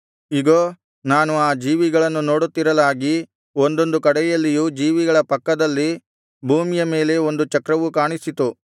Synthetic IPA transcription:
iɡoː | naːnuaːd͡ʒiːʋiɡɐɭɐnːuno̞ːɽut̪ːiɾɐlaːɡi | ond̪o̞nd̪ukɐɽɛjɐlːijud͡ʒiːʋiɡɐɭɐpɐkːɐd̪ɐlːi | bʱuːmijɐme̞ːle̞o̞nd̪ut͡ʃɐkɾɐʋukaːɳisit̪u

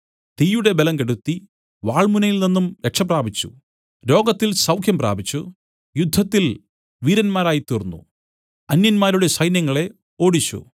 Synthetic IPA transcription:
t̪ijuɽe̞belɐmkeɽut̪ːi | ʋaːɭmunɐjilninːumɾekʂɐpraːbit͡ɕːṵ | ɾo̞ːɡɐt̪ːilsɐwkʰjɐmpra̰ːbit͡ɕːu | jud̪ʱːɐt̪ːil | ʋiːɾɐnmaːɾaːjit̪iːrnːṵ | ɐnjɐnmaːɾuɽe̞sɐjnjɐŋːɐɭe̞ | o̞ːɽit͡ɕːṵ

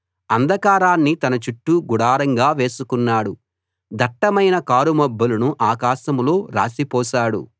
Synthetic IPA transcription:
ɐnd̪ʱɐkaːɾaːnːit̪ɐnɐt͡ʃuʈːuɡuɽaːɾɐŋɡaːʋe̞ːsukunːaːɽu | d̪ɐʈːɐmɐjnɐkaːɾumɐbːɐlunuʔaːkaːʃɐmlo̞ːɾa̰ːsipɔːʃaːɽṵ

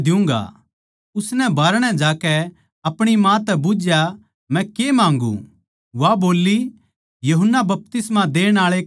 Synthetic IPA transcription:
d̪ɪũːŋ̆ɡa̰ | ʊsnɛ̃bʱaːɾɽ̃ɛd͡ʒaːkɛ | ɐpɽ̃imãt̪ɛbʊd͡ʒja | mɛ̃kemãːŋɡṵ̃ | ʋaboːlːi | jɐɦʊnːabɐp̚t̪ɪsmad̪eːɽ̃aːɭe

